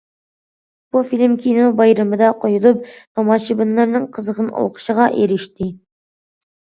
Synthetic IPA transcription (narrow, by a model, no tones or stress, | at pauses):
b̥ufilmkʲʰinubɑjɾɑmɨd̪ɑqojulˠup̚t̪omɑʃibɨnːɑɾnɨŋqʰəzəʁəno̰lˠqə̥ʃəʁɑʔeɾɪʃt̪ɪ